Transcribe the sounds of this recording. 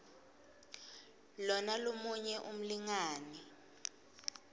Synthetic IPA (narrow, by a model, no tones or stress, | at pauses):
lɔnalomuɲɛʔum̩liŋaːni